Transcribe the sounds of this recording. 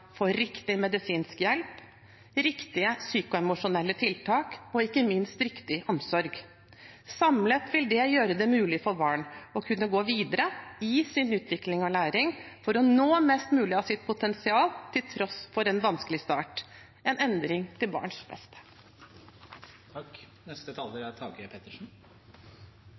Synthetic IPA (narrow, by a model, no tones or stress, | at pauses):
fɔɾɪkt̪ɪmɛd̪ɪsiːnskjɛlp | ɾɪkt̪ɪəsyːkʊɛmʊʂʊnɛlːət̪ʰɪlt̪ʰɑːkɔɪkːəmɪnst̪ɾɪkt̪ɪʔɔmsɔɾɡ | sɑmlət̪ʋɪld̪ɛjøːɾəd̪ɛmʉːlɪfɔɾbɑːɳɔkʰʉnːəɡoːʋiːd̪əɾəɪsɪnʉːt̪ʰʋɪklɪŋɔlæːɾɪŋfɔɾɔnoːmɛst̪mʉːlɪɑsɪt̪̚pʰʊt̪ʰɛnsɪɑːlt̪ʰɪlt̪ʰɾɔsfɔɾɛnʋɑnskəlɪst̪ɑːʈ | ɛnɛnd̪ɾɪŋt̪ʰɪlbɑ̰ːɳʂbɛ̰st̪ə̥ | k | nɛst̪ət̪ʰɑːləɾæɾt̪ʰɑːɡəpʰet̪əʂn̩